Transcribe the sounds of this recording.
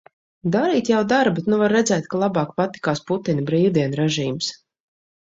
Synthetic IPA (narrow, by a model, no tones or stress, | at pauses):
d̪aɾiːt̪jawd̪aɾbet̪nuvaɾːɛzɛːt̪̚kalˠabɑːkpat̪i̥kaːsput̪inbɾiːwd̪iɛnɾɛʒiːms